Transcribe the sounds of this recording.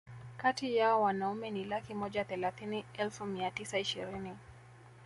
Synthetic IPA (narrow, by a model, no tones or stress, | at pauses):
katijaɔwanaumɛnilakimɔʄaθɛlaθiniɛlfumiatisaiʃiɾini